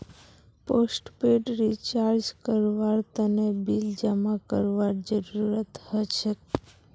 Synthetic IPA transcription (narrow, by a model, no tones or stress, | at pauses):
posʈpeɖɾit͡ʃaɾd͡ʒkəɾʋaɾt̪ənebild͡ʒamakəɾʋaɾd͡ʒəɾuɾət̪ɦət͡ʃʰe